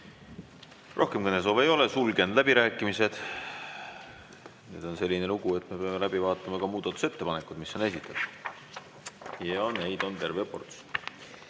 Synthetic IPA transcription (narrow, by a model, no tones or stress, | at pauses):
ro̞hke̞mkujnelso̞ːve̞jo̞le̞sulɡe̞nd̪læbiɾæːkːˑimise̞d̪̥ | nḛd̪̥o̞nse̞lʲːine̞luɡ̥ue̞t̪ːˑme̞pe̞ɑme̞læbivɑːt̪ˑːɑmɑkɑmuːd̪̥ɑt̪ːˑuse̞t̪ːe̞pɑne̞kˑud̪miso̞ne̞sit̪ːˑɑt̪ | jɑne̞jd̪̥o̞nt̪e̞rve̞ɑpo̞̰rt̪s